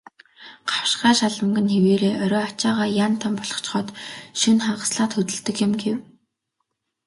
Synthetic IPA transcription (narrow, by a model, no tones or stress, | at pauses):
ɢ̥ḁwʃɢæːʃaɮə̆mɡɘ̆nxewiːɾeːʔɔɾʲɔːat͡ɕaːʁaːjant̪ʰampɔɮ̥ɞ̆t͡ɕχɔːt̪ʃɵnχaʁə̆sɮaːt̪xɵt̪ɵ̆ɮt̪ɘ̆kjɪ̆mɡew